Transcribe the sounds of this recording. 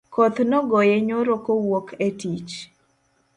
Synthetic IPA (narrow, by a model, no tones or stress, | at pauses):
kot̪nɔɡɔjeɲoɾokowokʰetit͡ʃ